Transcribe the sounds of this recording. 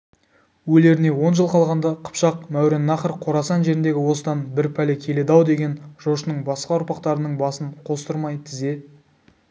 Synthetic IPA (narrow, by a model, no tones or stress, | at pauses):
wɵle̞ɾɪne̞wo̞nʒəlˠqʰɑlˠʁɑnd̪ɑqʰə̥pʃɑqmæwɾe̞nːɑχəɾqʰo̞ɾɑsɑnʒe̞ɾɪnd̪e̞ɡʲɪwo̞səd̪ɑnbɪɾpʰælekʲʰe̞le̞d̪ɑwd̪e̞ɡʲe̞nʒo̞ʃənəɴbɑsqɑʊɾpɑqt̪ɑɾənəɴbɑsəɴqʰo̞st̪əɾmɑjt̪ʰɪze̞